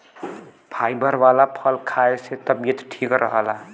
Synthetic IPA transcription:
pʰajbəɾwalapʰəlkʰaeset̪əbjət̪ʈʰikɾəɦəla

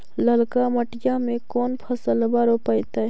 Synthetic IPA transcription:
ləlkaməʈɪjamẽkɔːnpʰəsəlbaːɾopəjt̪a

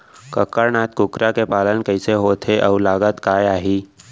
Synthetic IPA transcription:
kəkːəɾnaːt̪̚kʊkɾakepaːlənkəɪseɦot̪ʰeʔɔːɾlaːɡət̪kaːjaːɦiː

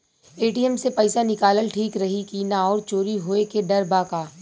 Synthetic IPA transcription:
eːʈiɛmsepɐjɪsanɪkaːləlʈʰiːkɾɐɦikinaɔːɾt͡ʃoːɾiɦoːekeɖɐɾbaːkaː

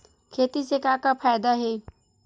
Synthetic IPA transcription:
kʰet̪isekakapʰajd̪aɦe

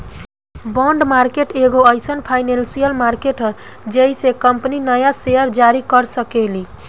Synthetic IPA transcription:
bɔɳɖmaɾkeʈeɡoəjsənpʰajnensijəlmaɾkeʈɦə | d͡ʒeɦisekəmpninəjasejəɾd͡ʒaɾikəɾsəkeli

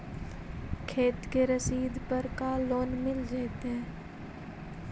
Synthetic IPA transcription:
kʰeːt̪keɾəsiːd̪pəɾkaːlːoːnmɪld͡ʒaːit̪ɦɛ̃ː

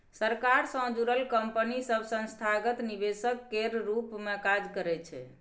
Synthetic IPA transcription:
səɾkaɾsə̃d͡ʒuɾəlkəmpənisəbsə̃nst̪ʰaɡət̪nibesəkːeɾɾupmekad͡ʒkəɾɛt͡ʃʰɛ̰

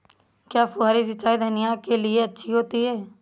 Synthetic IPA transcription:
kjaːpʊɦaːɾisɐt͡ʃːaːid̪ʱɐnɪjakelieɐtːʃʰiɦoːt̪iɦɛː

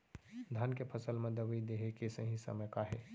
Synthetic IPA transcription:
d̪ʱankepʰəsəlmẽd̪əʋid̪eɦekesə̃ɦĩsə̰məjkaɦe

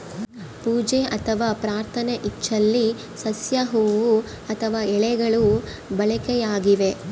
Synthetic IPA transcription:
puːd͡ʒeʔɐt̪ʰɐʋaːpɾaːɾt̪ʰɐneʔit͡ʃːɐlːi | sɐsjɐɦuːʋu | ɐt̪ʰɐʋaːɛɭɛɡɐɭu | bɐɭɐkɛjaːɡiʋe̞

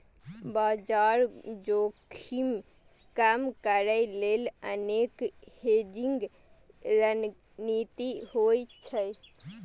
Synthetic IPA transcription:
bad͡ʒaɾd͡ʒokʰim | kamkəɾəɪlelənekhed͡ʒiŋɡ | ɾən | nit̪ihojt͡ʃʰəj

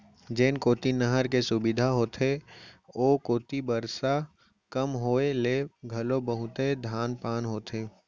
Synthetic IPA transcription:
d͡ʒeːnkoːt̪inəɦəɾkesʊbɪd̪ʱaɦoːt̪ʰe | oːkoːt̪ibəɾsa | kəmɦoːeleːɡʱəlobəɦʊt̪ed̪ʱaːnpaːnɦoːt̪ʰeː

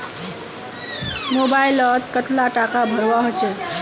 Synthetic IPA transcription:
mobajlʌd̪kʌt̪laʈakabʱʌɾwaɦot͡ʃʰu

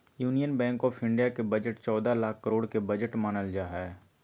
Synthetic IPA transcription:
juːnijənbɛ̃ːŋkɔːfʰɪ̃ɳɖijakebɐd͡ʒəʈt͡ʃɔːd̪alaːkʰːəɾoːɽkebɐd͡ʒəʈmaːnəld͡ʒaːɦɛː

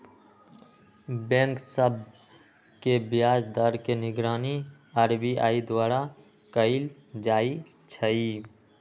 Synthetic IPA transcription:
bɛ̃ːŋksəb̚ | kebijaːd͡ʒd̪əɾkenɪɡɾaːni | aːɾbiʔa̰ːid̪waːɾa | kəɪl | d͡ʒaːi | t͡ʃʰəi

